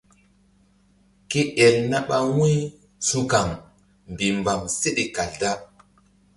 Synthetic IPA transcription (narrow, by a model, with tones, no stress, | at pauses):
ki˦ʔɛ˨lna˦ɓa˦wĩ˦ | su˦ka˨ŋ | m˨bi˨mba˨mse˦ɗi˨ka˨lda˦